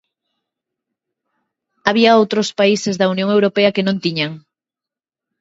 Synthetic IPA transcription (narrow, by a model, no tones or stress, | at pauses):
aβ̞iɐowt̪ɾospaisezðɐunjõŋewɾopeɐkenõnt̪iɲaŋ